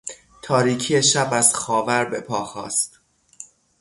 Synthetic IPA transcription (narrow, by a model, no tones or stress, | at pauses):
t̪ʰɒːɾiːcʰijeʃæbæz̥xɒːvæɾbe̞pʰɒːxɒ̰ːst̪